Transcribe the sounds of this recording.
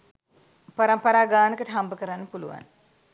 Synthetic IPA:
pɐɾɐmpɐɾaːɡaːnəkəʈəɦɐmbəkəɾanːəpulṵʋa̰n

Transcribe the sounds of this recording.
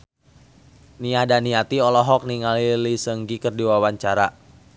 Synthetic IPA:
niahdaniat̪iɔlɔɦɔk̚niŋalilisəŋɡikərdiwawaɲt͡ʃaɾa

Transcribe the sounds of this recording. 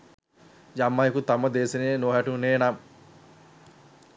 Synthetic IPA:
jamːajkut̪ɐmɐd̪eːsenejnoːɦæʈuneːnam

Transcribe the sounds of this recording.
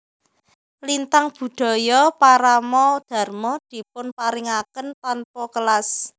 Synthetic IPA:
lint̪aŋb̥ṳd̪̥ɔ̤jɔpaɾamɔd̪̥a̤rmɔd̪̥i̤pʊnpaɾiŋakənt̪anpɔkəlas

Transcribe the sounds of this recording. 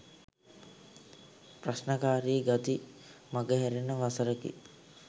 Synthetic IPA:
prasnəkaːɾiːɡat̪i | maɡəɦɛɾenːəʋasəɾəkḭ

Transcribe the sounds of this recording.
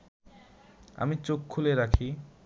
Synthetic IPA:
a̰mit͡ɕokʰːuleɾakʰi

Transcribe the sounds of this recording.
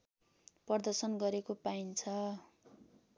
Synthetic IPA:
pʌrd̪ʌrsʌnɡʌɾekopaint͡sʰʌ

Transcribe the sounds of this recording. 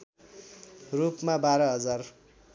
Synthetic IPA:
rupmabaɾʌɦʌd͡zar

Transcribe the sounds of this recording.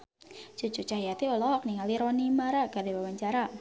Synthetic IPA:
t͡ʃut͡ʃut͡ʃahjat̪iɔlɔɦɔk̚niŋaliɾɔnimaɾakardiwawaɲt͡ʃaɾa

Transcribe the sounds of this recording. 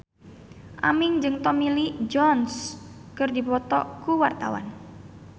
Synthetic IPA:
ʔamɪŋd͡ʒɨŋt̪ɔmilid͡ʒɔnskərdipɔt̪ɔ̰kuwart̪a̰wa̰n

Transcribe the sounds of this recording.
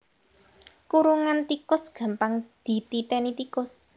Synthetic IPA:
kuɾuŋant̪ikʊsɡ̥ä̤mpaŋd̪̥i̤t̪it̪ɛnit̪ikʊs

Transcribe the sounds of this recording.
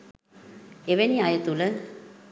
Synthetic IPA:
eʋeniajət̪ulə

